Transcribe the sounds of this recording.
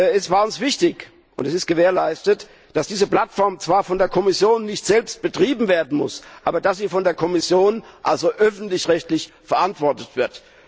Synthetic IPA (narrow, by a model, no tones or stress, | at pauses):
ɛsv̥aːɐʊnsv̥ɪçtɪç | ʔʊ̰ntɛsɪstɡ̥əveːɐlaɪstət | d̥asd̥iːzəpl̥atfɔɐmt͡sv̥aːɐfɔndeːɐkʰɔmɪsjoːnːɪçtz̥ɛlpst̚b̥ətʁ̥iːbm̩veːɐdn̩mʊ̰sʔaːbɐdasz̥iːfɔndeːɐkʰɔmɪsjoːnʔalzoʔœfn̩tlɪçʁɛçtlɪçfɛɐʔantv̥ɔɐtətv̥ɪɐt